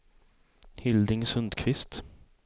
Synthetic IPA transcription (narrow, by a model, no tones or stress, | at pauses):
hɪld̪ɪŋsɵnd̪kʰvɪst̪